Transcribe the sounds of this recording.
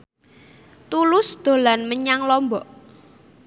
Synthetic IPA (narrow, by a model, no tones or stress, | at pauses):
t̪ulʊsd̪̥o̤lanməɲaŋlɔmbɔʔ